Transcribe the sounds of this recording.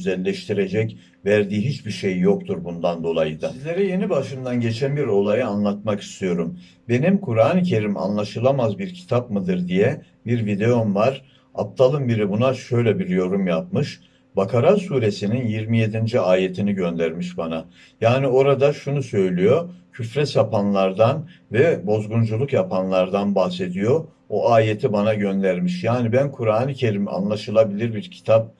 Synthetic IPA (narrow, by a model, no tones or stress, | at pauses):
yzɛlʲːɛʃt̪ʰiɾe̞d͡ʒɛc | væɾd̪iːɦit͡ʃbiɾʃejːo̞k̚t̪ʰuɾbund̪and̪o̞lˠajɯd̪asizlʲe̞ɾɛje̞nibaʃɯnd̪anɟe̞t͡ʃʰænbiɾo̞lˠajɯanlˠat̪̚maki̥st̪ʰijo̞ɾum | be̞nimkʰuɾaːnɯcʰe̞ɾima̰nlˠaʃɯlˠamazbiɾcʰi̥t̪ʰapmɯd̪ɯɾd̪ijɛ | biɾvid̪e̞jo̞nvaɾ̥ | a̰p̚t̪ʰalˠɯmbiɾibunaʃø̞jlʲɛbiɾjo̞ɾumjap̚mɯʃ | bakʰaɾasuːɾe̞sininjiɾmije̞d̪ind͡ʒiaːje̞t̪ʰiniɟø̞nd̪æɾmiʃbana | jaːnio̞ɾad̪aʃunusø̞jlʲyjo̞cʰyfɾɛsapanlˠaɾd̪anvɛbo̞zɡund͡ʒulˠukjapʰanlˠaɾd̪anbaxse̞d̪ijo̞ | oʔaːjet̪ʰibanaɟø̞nd̪æɾmiʃjaːnibænkʰuɾaːnɯcʰe̞ɾima̰nlˠaʃɯlˠabilʲiɾbiɾcʰi̥t̪ʰap̚